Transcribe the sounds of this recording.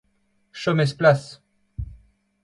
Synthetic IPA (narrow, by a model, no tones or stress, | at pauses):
ʃɔmɛsplas